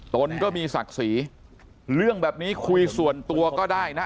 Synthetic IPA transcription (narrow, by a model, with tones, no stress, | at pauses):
t̪o˧nkɔː˥˩miː˧sa̰˨˩k̚siː˩˦ | ɾɯ˥˩əŋbɛː˨˩p̚niː˦˥kʰu˧jsu˨˩ənt̪u˧ɐkɔː˥˩daː˥˩jna˦˥